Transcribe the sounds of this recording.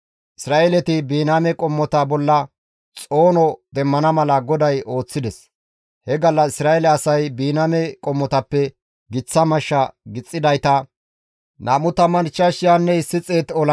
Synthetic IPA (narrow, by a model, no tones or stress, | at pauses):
ʔɪsɾaːʔelɛt̪ɪbiːnamɛkʼɔmːɔt̪ɐbɔlːɐ | t͡sʼo̞ːnɔd̪ɛmːɐnɐmɐlɐɡɔd̪ɐjo̞ːt͡sːɪd̪ɛs | hɛɡɐlːɐɪsɾaːɛlɛɐsɐjbiːnamɛkʼɔmːɔt̪ɐpːɛ | ɡɪt͡sːɐmɐʃːɐɡɪt͡sʼːɪd̪ɐjt̪ɐ | naːmʊt̪ɐmɐnt͡ʃːɐʃɪjaːnːɛsɪt͡sʼːe̞ːt̪ɔlɐ